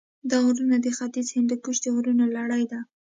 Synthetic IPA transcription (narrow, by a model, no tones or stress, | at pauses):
d̪ɑuɾunad̪əxat̪izhɪnd̪əkuʃd̪əɾunolaɽajd̪a